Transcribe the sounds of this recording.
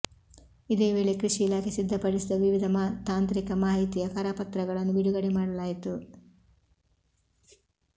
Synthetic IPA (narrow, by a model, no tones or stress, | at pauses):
id̪e̞ːʋe̞ːɭe̞kɾiʂiːlaːkʰesid̪ʱːɐpɐɽisid̪ɐʋiʋid̪ʱɐmat̪aːnt̪ɾikɐmaːɦit̪ijɐkɐɾaːpɐt̪ɾɐɡɐɭɐnːubiɽuɡɐɽemaːɽɐlaːjit̪u